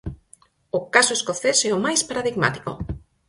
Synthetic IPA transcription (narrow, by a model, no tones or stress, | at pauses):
okasoeskoθesɛomajspaɾaðiɣma̰t̪i̥ko̰